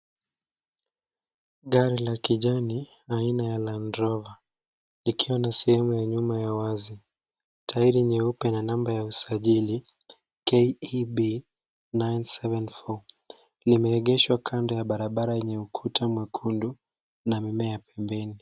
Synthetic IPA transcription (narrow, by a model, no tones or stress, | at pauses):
ɠaɾilakiʄani | ainajalandɾɔva | likʰiwanasɛhɛmujaɲumajawazi | tʰaiɾiɲɛupɛnanambajausaʄili | keɓi | najnsɛvɛnfɔ | limɛɛɠɛʃwakʰandɔjaɓaɾaɓaɾajɛɲɛukʰutʰamwɛkʰundu | namimɛjapɛmbɛni